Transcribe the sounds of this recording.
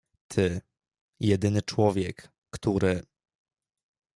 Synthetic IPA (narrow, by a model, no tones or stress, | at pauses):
t̪ʰɘ | jɛd̪ɘnɘt͡ʂwɔvʲjɛkː | t̪uɾɘ